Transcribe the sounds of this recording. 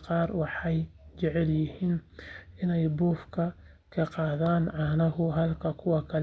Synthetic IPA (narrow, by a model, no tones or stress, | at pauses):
qɑːrwɑħɛjd͡ʒɪʕɛljɪhiːnʔɪnɛjbuːfkʰɐ | kʰɐqɑːðaːnʕɑːnɐɦʊɦɐlkʰɐkʰʊwɐkʰɐl